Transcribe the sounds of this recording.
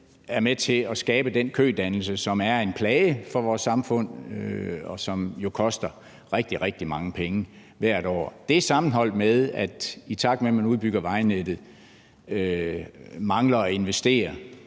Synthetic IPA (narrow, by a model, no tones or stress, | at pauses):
æɐmet͡sʰe̝ɒ̽sɡ̥ɛːb̥əd̥enkʰø̰ːd̥ænl̩səsɒ̽mæɐe̝npʰlɛːɪəfɒ̽ʋɒːsːɑ̈mfɔ̽n̰ | ɒ̽sɒ̽mjo̝kʰɒ̽sd̥ɐ | ʁeɡ̥̚d̥iʁeɡ̥̚d̥imɑ̈ŋəpʰeŋə | ʋæɐ̰ɾ̥ɒ̰ːd̥e̝æsɑ̈mn̩ɦɒ̽l̰d̥meðˠæd̥it͡sʰɑ̈ɡ̥memænuðˠb̥yɡ̥ɐʋɑ̈ɪned̥ð̩ˠ | ø | mɑ̈ŋlɐɒe̝nʋesd̥e̝̰ːɐ